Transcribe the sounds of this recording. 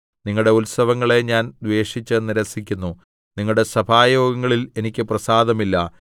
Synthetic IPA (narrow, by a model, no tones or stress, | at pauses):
niŋːɐɭɽe̞ulsɐʋɐŋːɐɭe̞ɲaːnd̪ʋe̞ːʂit͡ɕːɨniɾɐsikʲːunːu | niŋːɐɭɽe̞sɐbʱaːjo̞ːɡɐŋːɐɭile̞nikʲːɨprɐsaːd̪ɐmilːɐ